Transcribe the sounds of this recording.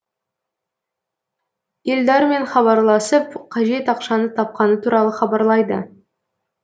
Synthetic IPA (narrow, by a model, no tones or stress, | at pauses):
jeld̪ɑɾme̞nχɑβɑɾlˠɑsəpqʰɑʒe̞t̪ɑqʃɑnət̪ʰɑp̚qɑnət̪ʰuɾɑlˠəχɑbɑɾlˠɑjd̪ə̰